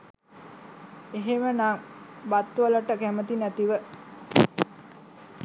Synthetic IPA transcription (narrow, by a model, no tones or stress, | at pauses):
eɦemənaŋbat̪ːʋələʈəkæmət̪inæt̪iʋə